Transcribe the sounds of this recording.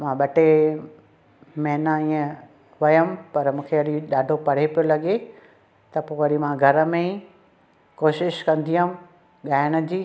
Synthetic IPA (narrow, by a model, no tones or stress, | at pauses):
mãːɓɐʈe | mɛ̃nəiːə̃ | ʋɐjəmpɐɾmũːkʰeɐɗiɗaːɖʱopɐɽ̤epijolɐɠe | t̪ɐpoːɐɾimãɡʱɐɾə̆mẽ | koːʃɪʃkɐ̃nd̪iʊm | ɠaːɪɽ̃əd͡ʑiː